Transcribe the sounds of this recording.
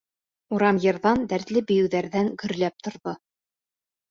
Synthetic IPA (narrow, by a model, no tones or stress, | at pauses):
uɾɑmjɤ̆ɾðɑnd̪æɾt̪lɘbɵ̆jɘ̆wðæɾðæŋɡɵ̆ɾlæp̚t̪ŏɾðo